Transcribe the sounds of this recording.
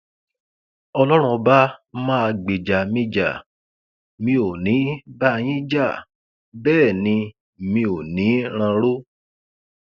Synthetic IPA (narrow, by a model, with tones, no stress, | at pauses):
ɔ˧lɔ˦ɾ̃ũ˧ɔ˧ba˦mã˦a˧ɡ͡be˨d͡ʒa˨mĩ˧d͡ʒa̰˨ | mĩ˧o˨nĩ˨˦ba˦˧j̃ĩ˦d͡ʒa˦˨ | bɛː˦˨nĩ˧ | mĩ˧o˨nĩ˨˦ɾ̃ã˧ɾo˦